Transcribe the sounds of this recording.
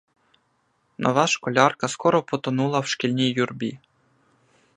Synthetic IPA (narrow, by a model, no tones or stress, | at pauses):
nɔ̰ʋɑʃkɔlʲɑrkɐskɔɾɔpɔt̪ɔnulˠɐwʃkʲilʲnʲijjurbʲi